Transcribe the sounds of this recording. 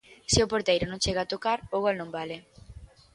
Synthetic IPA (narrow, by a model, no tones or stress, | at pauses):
sɪʊpoɾt̪ejɾʊnõŋt͡ʃeɣaːt̪okaɾoɣɔlnõmbalɪ